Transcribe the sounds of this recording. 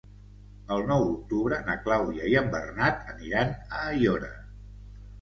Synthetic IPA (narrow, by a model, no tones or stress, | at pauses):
əlˠnɔwuk̚t̪uβɾənəklawðiəiəmbərnat̪əniɾanəːjɔɾə̰